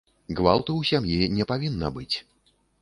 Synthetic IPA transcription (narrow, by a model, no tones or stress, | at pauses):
ɣva̰lˠt̪ɐwsʲamjinʲɛpavʲinːɐ̰bɨt͡sʲ